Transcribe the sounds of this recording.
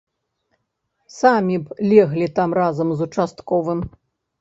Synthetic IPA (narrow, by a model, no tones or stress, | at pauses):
samʲiplʲɛɣlʲit̪amɾazɐmzut͡ʂast̪kɔvɨm